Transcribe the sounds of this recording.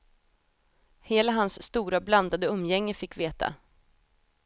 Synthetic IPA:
heːlaɦansːt̪uːɾabland̪ad̪əɵmːjɛŋːəfɪkːveːt̪ʰa̰

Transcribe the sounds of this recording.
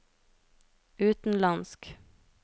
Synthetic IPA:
ʉːt̪n̩lɑnsk

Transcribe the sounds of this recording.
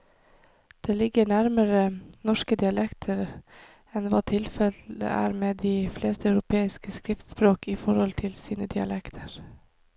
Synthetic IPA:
d̪̥eːlɪɡəɳæɾməɾənɔʂkəd̪ɪɑlɛkt̪ʰəɾ | ɛnʋɑːt̪ʰɪlfɛlə̰ʔæ̰ːɾmeːd̪iːfleːst̪əɑʉɾʊpʰeːɪskəskɾɪft̪spɾoːkiːfɔɾhɔlt̪ʰɪlsiːnəd̪ɪɑ̰lʔɛkt̪ʰəɾ

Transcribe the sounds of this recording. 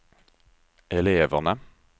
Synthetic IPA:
ɛleːʋəʁnə

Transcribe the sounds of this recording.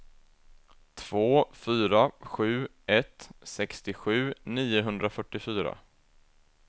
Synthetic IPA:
t̪ʰv̥oːfyːɾaɧʉ̟ːʔɛt̪sɛkst̪ɪɧʉ̟ːniːʊɦɵnd̪ɾafœʈːɪfyːɾa̰

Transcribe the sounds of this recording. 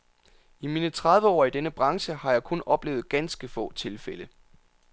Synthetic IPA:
imiːnət͡sʰʁað̞ˠʋəɒ̰ːid̥enəb̥ʁɑ̈ŋɕəhɑ̈jɑ̈ɪkʰɔ̽nɒ̽b̥le̝ːʊð̩ˠɡ̥ænsɡ̥əfɔ̰̽ːt͡sʰe̝lfelə

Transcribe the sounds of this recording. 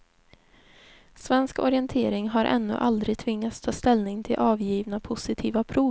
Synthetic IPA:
svɛnskɔ̰ɾɪɛnt̪ʰeːɾɪŋɦaɾʔɛ̰nːɵ̰ʔa̰ld̪ɾɪɡt̪ʰvɪŋːat̪st̪ʰɑːst̪ɛlnɪŋt̪ʰɪlʔɑːvjiːvnapʰʊsɪt̪ʰiːvapʰɾuː

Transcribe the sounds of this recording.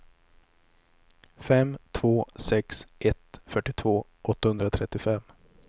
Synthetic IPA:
fɛmt̪ʰvoːsɛksʔɛt̪fœʈːɪt̪ʰvoː | ʔɔt̪ːahɵnd̪ɾat̪ʰɾɛt̪ːɪfɛm

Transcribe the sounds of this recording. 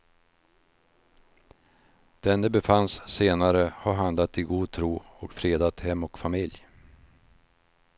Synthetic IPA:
d̪̥ɛnd̪ɛbɛfansːeːnaɾəhaɾɦand̪lat̪ɪɡuːd̪̚t̪ʰɾuːɔkfɾeːd̪at̪hɛmːɔkfamɪlj

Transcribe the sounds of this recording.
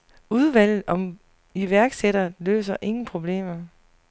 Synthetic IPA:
uð̞ˠʋæl̰ð̩ˠɒ̽m | iʋæɐɡ̥seɾ̥ɐlø̰ːsɐʔe̝ŋn̩pʰʁo̝b̥le̝̰ːmɐ

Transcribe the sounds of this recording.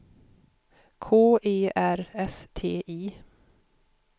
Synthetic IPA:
kʰoːʔeːʔæɾɛst̪ʰeːʔiː

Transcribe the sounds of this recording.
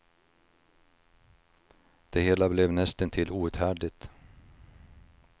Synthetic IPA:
d̪̥ɛheːlablɛvnɛst̪ənt̪ʰɪlːuːʉt̪hæːɖɪt̪

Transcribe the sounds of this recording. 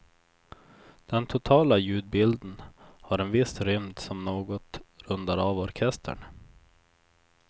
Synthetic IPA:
d̪̥ɛnt̪ʰʊt̪ʰɑːlajʉ̟ːd̪̚bɪld̪ənhaɾɛnvɪsɾʏmd̪sɔmnoːɡɔt̪ɾɵnd̪aɾɑːvɔɾkʰɛst̪ʰə̰ɳ

